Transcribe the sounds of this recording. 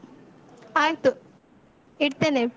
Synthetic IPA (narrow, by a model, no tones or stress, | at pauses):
aːjt̪u | iɽt̪eːne